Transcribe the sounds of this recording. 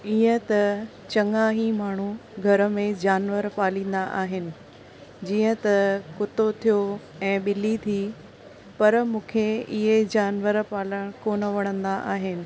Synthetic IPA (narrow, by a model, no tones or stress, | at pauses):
iːə̃t̪ɐ | t͡ɕɐ̃ŋaːɦimaːɳ̤uɡʱɐɾə̆mẽd͡ʑaːnʋəɾpaːlĩːn̆d̪aʔaːɦɪnɪ̆ | d͡ʑiːə̃t̪ɐkʊt̪ot̪ʰijo | ɛ̃ːɓɪlit̪ʰiː | pɐɾmũːkʰeɪɦed͡ʑaːnʋəɾpaːləɽ̃koːnəʋɐɽ̃ə̃nd̪aʔaːɦɪnɪ̆